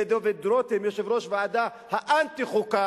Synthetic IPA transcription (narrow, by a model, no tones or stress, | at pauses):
ed̪oved̪ɾot̪emjeʃevʁoʃvead̪a | haʔant̪iχuka